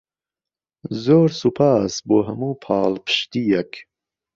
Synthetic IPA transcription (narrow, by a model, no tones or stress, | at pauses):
zoːɾsupʰaːsboːɦɐmuːpʰɑːlpʰɨ̥ʃt̪ijɐk